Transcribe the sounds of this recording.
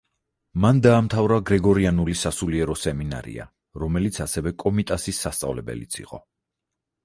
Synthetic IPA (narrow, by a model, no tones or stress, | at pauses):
mand̪aːmt̪ʰavɾaɡɾɛɡɔɾianulisasuliɛɾɔsɛmina̰ɾḭa̰ | ɾɔmɛlit̪sʰasɛvɛkʼɔmit̪ʼasisːast̪sʼa̰vlɛbɛ̰lit̪sʰḭqʼɔ̰